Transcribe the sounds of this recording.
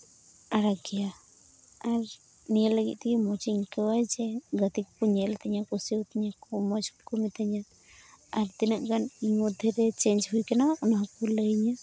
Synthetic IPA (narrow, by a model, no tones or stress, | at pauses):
aɾaɡija | aɾ | nijəlːəɡḭt̪̚t̪ɛkɛmɔt͡ʃiɲkɔwajd͡ʒɛɡət̪ikkuɲɛlt̪aɲakusiwt̪aɲakɔmɔt͡ʃkɔmit̪ʰaɲa | aɾt̪inaʔɡaniɲmɔd̪ʱɛɾɛt͡ʃeɲd͡ʒɦujkanawaʔɔnaɦakɔləjɲa